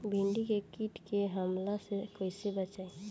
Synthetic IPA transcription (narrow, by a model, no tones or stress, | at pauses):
bʱẽɳɖikekiʈkeɦəmlasekoːjsebət͡ʃaːe